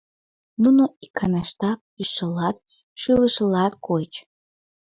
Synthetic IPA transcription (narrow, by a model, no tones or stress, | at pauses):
nunoikʰanaʂtʰak̚ | iʂɨlat | ʂilɨʂɨlatkʰʷojt͡ʃʰʼ